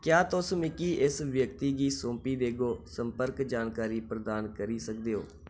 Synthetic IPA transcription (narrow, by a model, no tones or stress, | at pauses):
kjaːt̪ʊsmɪkiːʔɪsʋjəkt̪iːɡiːsõːmpiːd̪eːɡoːsəmpəɾkd͡ʒaːnkaːɾiːpɾəd̪aːnkəɾiːsək̚d̪eːɦo̰ː